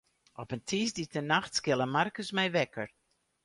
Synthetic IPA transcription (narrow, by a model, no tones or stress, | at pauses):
ɔpəntʰiːsditənaxtskɪlˠəmarkəsmɛjʋɛkər